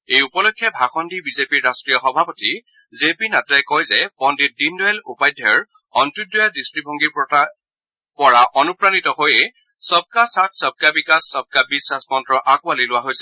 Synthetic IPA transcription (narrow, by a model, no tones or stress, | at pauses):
ejupɔlokʰːjɛbʱaxɔndibizepiɹːastɹijɔxɔbʱapɔti | zepinatɛjkɔjzɛpɔndit̚dindɔɛlupajdʱjɔɔɹ | ɔntudɔjadistɹibʱɔŋɡipa | pɔɹaʔɔnupɹanitɔhojɛ | sɔb̚kasat̚ʰsɔb̚kabikasːɔb̚kabisasmɔntɹɔʔakʊalilʊwaɦojsɛ̥